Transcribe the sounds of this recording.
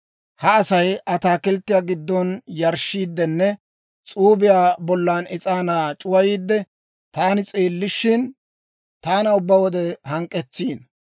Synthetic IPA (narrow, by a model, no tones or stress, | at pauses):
hɐːsɐjɐt̪aːkɪlt̪ːɪjaːɡɪd̪ːɔnjɐɾʃːiːd̪ːɛnːɛ | t͡sʼuːbɪjaːbɔlːaːnɪt͡sʼaːnaːt͡ʃʼʊwɐjiːd̪ːɛ | t̪aːnɪt͡sʼeːlːɪʃːɪn | t̪aːnɐʊbːɐwɔd̪ɛhɐŋkʼːɛt͡sːiːn